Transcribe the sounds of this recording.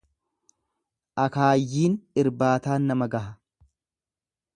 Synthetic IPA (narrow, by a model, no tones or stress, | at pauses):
ʔɐkaːjːiːnɪɾbaːt̪aːnːɐmɐɡɐɦɐ